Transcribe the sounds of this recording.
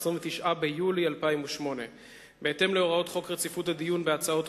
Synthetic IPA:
sʁiɱvet̪iʃʔabejulialpaimuʃmo̞ne̞ | beete̞mleo̞ʁao̞tχo̞kʁet͡sifuthad̪ijunbeat͡sao̞t

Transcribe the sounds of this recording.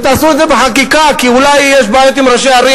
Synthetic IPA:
t̪aːsued̪zebeħakikakiulajːeʃ̬baːjot̪imɾaʃeaɾi

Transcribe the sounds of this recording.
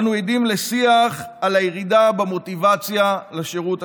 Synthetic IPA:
nujedimlesiaχalajeʁidabemo̞t̪ivat͡sjalaʃeʁuta

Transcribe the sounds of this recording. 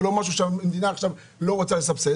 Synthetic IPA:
lomaʃ̬uʃeemd̪inaːχʃav | lo̞ʁot͡sales̬apse

